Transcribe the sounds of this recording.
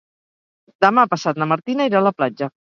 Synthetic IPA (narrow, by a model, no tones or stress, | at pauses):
d̪əmapəsat̪nəməɾt̪inəiɾaləplad͡ʒə